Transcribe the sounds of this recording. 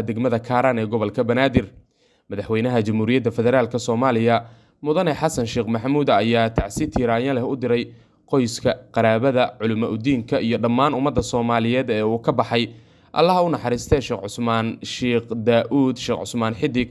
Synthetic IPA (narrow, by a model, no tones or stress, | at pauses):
d̪ɛɡmɐðɐkʰaːɾaːnɛːɡɔβɐlkʰɐbɐnaːd̪ɪr | mɐðɑħwɛjnɐɦɐt͡ʃɐmhuːɾɪjɐd̪ːɐfɛðɛɾaːlkʰɐsɔːmaːlɪjɐ | mʊðɐnɛħɑsɐnʃiːqmɐħmuːd̪ːjaːt̪ʰaʕsɪt̪ʰɪːɾaːjɐlɛhʊd̪ɪɾɛj | qɔjskʰɐqɑɾaːβɐðɐʕʊlɪmɐʔʊd̪iːŋkʰɐijɞɖɐmːaːnʊmɐd̪ːɐsɔːmaːlɪjɛːd̪ɛːuːkʰɐbɑħɑj | ʔɐ̰lːɐɦɐʊnɑħɑɾiːst̪ʰɛːʃɛːqʕʊsmaːnʃiːqd̪aːʔuːd̪ʃɛːqʕʊ̰smaːnħɪd̪ɪɡ